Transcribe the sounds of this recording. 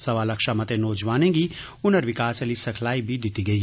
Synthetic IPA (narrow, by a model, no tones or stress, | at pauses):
sɐʋaːlɐkʃamɐt̪enɔːd͡ʒʋaːnẽɡi | ʊnəɾʋɪkaːsəlisɐkʰlaːibʱid̪ɪt̪iɡɐi